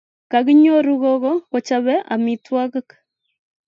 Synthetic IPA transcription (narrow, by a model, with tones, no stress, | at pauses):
ka˨ɣi˦ɲɔ˦ɾu˦ɣɔɣɔ˦ɣɔ˨t͡ʃaβɛ˦ʔa̰mitwa˦ɣk